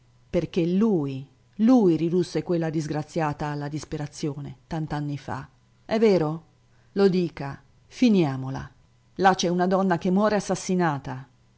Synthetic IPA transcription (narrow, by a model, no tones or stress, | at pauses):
perk̟eluːj | luːjɾid̪usːekwelːad̪izɡɾat̪sːjaːt̪aːlːad̪ispeɾat̪sːjoːnet̪ant̪anːifa̰ | ɛvːeːɾo | lod̪iːka | finjaːmola̰ | lat͡ʃɛunad̪ɔnːak̟emːwɔːɾeasːasːinaːt̪a